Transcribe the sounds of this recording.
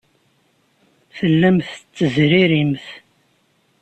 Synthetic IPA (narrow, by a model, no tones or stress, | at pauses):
θəlːəmθət͡sːəzɾiɾimθ